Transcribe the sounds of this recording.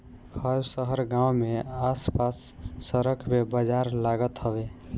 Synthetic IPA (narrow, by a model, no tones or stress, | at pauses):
hʰəsəɦəɾɡãwmeaspasːəɾəkʰmebəd͡ʒaɾlaɡət̪ɦəbe